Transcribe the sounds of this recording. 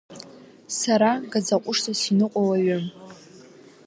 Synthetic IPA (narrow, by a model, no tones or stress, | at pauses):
saɾaɡad͡zaqʷʼʊʂtʰʼasinɨqʷʼawaɥʊ